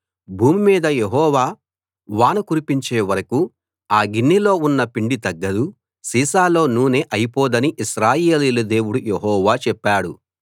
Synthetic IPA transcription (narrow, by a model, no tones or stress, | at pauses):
bʱuːmimiːd̪ɐjeɦɔːʋaː | ʋaːnɐkuɾipiɲt͡ʃe̞ːʋɐɾɐku | aːɡinːilo̞ːunːɐpiɳɖit̪ɐɡːɐd̪u | siːsaːlo̞ːnuːneːʔɐjipɔːd̪ɐniʔiʃɾaːje̞ːliːlɐd̪e̞ːwuɽujeɦɔːʋaːt͡ʃɛpːaːɽu